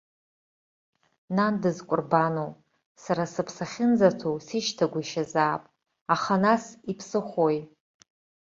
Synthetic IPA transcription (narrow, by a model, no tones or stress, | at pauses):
nandɨzkʷʼʊrbanow | saɾasɨpʰsaχʲɪnd͡zatʰowsiʃtʰaɡʷaiʃazaːpʼ | aχanasipʰsɨχʷoj